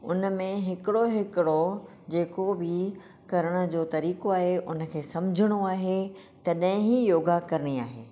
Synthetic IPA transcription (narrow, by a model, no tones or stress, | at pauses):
ʊ̰nmẽɦɪkɪɽoɦɪkɪɽo | d͡ʑeːkobʱɪ | kɐɾəɽ̃ə̆d͡ʑoːt̪ɐɾiːkoaːɦeʔʊnə̆kʰeːsɐmd͡ʑʱɪɽ̃oaːɦe | t̪ɐɗɦɪ̃ɦijoːɡakɐɾəɽ̃iaːɦḛː